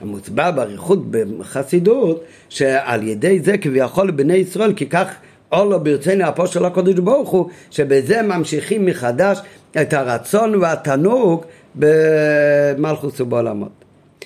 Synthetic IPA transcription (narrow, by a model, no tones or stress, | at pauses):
a̰mʊt͡sbabaʁiχutbɪχasidut | ʃea̰lˠjɛdeɪzɛkɪvijaχɔlˠɪbneɪisʁɔɪlˠkɪkaχ | ɔlˠɔbɪɾt͡seɪniapɔʃɛlˠakɔd̪ɪʃbɔʁχuʃɛbɪzɛmamʃiχimːɪχadaʃ | ɛthaɾat͡sɔnvɪatanuɡ | bɪ | malˠχʊsʊbɔla̰mɔ̰t